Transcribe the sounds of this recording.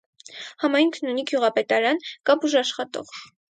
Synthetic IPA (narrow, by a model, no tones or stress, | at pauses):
hɑmɑjŋkʰnuniɡjuʁɑpɛt̪ɑɾɑnkɑbuʒɑʃχɑt̪ɔ̰ʁ